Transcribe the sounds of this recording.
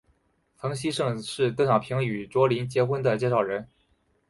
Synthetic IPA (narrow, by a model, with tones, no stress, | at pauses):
fɤ˧˥ŋɕi˥ʂɤ˥˧ŋʂɻ̩˥˩t̪ɤ˥ɕɑ˨˩ʊpʰi˧˥ŋy˨˩ʈ͡ʂwɔ˥li˧˥nt͡ɕjɛ˧˥xwə˥nd̪ə˨t͡ɕjɛ˥˧ʂɑ˨˩ʊɻə˧˥n